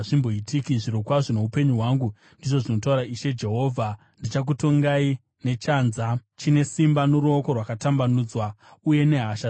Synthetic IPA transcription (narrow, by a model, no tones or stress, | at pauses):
ʐimbo̞itikiʐiɾokwaʐone̞upe̞ɲuɦwaːŋɡu | ndiʐoʐino̞tauɾaiʃe̞d͡ʒe̞ɦo̞ːvʱa | ndit͡ʃak̬uto̞ŋɡai | ne̞t͡ʃaːnzat͡ʃine̞simbanoɾuoko̞rwakatambanuːd͡zwauje̞ne̞ɦaʃa